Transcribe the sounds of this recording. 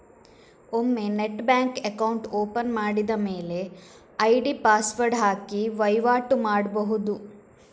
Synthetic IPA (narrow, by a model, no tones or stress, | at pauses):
omːe̞neʈbaːŋkekɐwɳʈoːpɐnmaːɽid̪ɐmeːle̞ | ɐjɖipaːsʋɐɾɖɦaːkiʋɐjʋaːʈumaːɽbɐɦud̪u